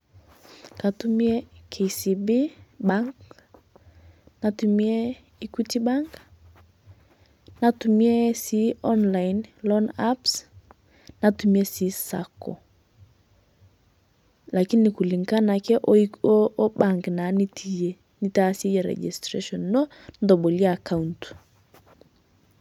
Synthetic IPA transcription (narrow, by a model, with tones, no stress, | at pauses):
ka˨tu˦mje˦kʰe˨isi˨bi˦ba˦ŋk | na˨tu˨mje˦ | i˦ku˦ti˦ba˦ŋk | na˨tu˨mje˦si˦ʔɔ˦nla˨jnlɔ˦na˦ps | na˨tu˨mie˦si˨˦sa̰˨kɔ̰˨ | la˨ki˦nːɪ˨ku˨li˨ŋka˦na˨kɛ˦ʔ | ba˦ŋkna˨˦niti˦ | ni˦ta˦se˦je˨ɾɛ̰˨d͡ʒḭ˨strḛ˦ʃɔ˨nːɔ˦ | ndɔ˨bɔ˨lja˦˨ka˦unt